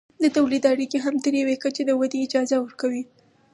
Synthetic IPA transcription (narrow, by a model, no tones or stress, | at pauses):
d̪ət̪awlid̪aɽikeɦamt̪əɾjawekət͡ʃed̪əwad̪eːd͡ʒɑzawəɾkawi